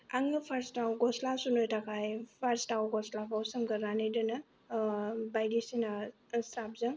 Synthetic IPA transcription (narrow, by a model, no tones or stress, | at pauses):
aŋɯpʰaɾstawɡɔslasunojtʰakʰajpʰaɾstawɡɔslakʰawsəmɡəɾɾanɯjdɯnɯ | bajdisina | sɾap̚zɯŋ